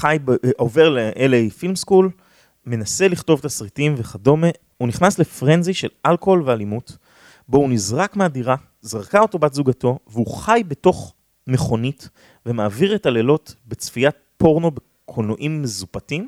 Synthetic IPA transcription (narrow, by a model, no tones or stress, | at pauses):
χajbove̞ʁleʔelejfilmskul | me̞nase̞liχto̞vetasʁitimveχado̞me | uniχnasle̞fʁenziʃe̞lalkolvealimut | bo̞unizʁakmeadiʁa | zaʁkao̞to̞batzuɡato̞veuχajbe̞to̞χ | me̞χo̞nit | ve̞maːviʁe̞tale̞lo̞tbe̞t͡sfijat̚ | po̞ʁno̞be | kʰonoʔimːezupatim